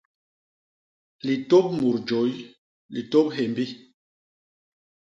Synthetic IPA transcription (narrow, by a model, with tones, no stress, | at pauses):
li˨to˦p̚mu˨ɾd͡ʒo˨˦j | li˨to˦p̚ɦe˨mbi˦